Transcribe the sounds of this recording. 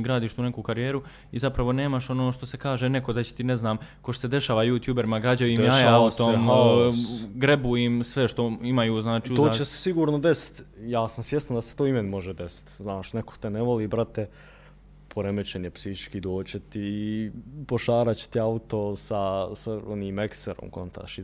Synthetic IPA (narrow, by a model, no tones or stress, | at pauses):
ɡɾaːd̪iːʃt̪uːne̞kuːkaɾije̞ːɾu | izapɾaʋo̞ne̞ːmaʃo̞noːʃt̪o̞se̞kaːʒene̞ko̞d̪at͡ɕe̥t̪ineznaːmkoʃt̪o̥sed̪e̞ʃaːʋajuːt̪juːbeɾimaɡɾad͡ʑajuiːmjaːaut̪om | ɡɾe̞bujimsʋeʃt̪o̞imajuːznaːt͡ʃiːuoːat͡ɕese̥siɡuːɾnod̪esi̥t̪jaːsamsʋje̞st̪and̪ase̥t̪oːimenimo̞ʒed̪esi̥t̪znaːʃnekot̪eneʋoliːbɾat̪e | pʰoɾemet͡ɕeɲepsihit͡ʃkiːd̪oːt͡ɕet̪i | poʃaːɾat͡ɕe̥t̪iaut̪osasaoniːmekseɾo̰mko̞nt̪a̰ʃi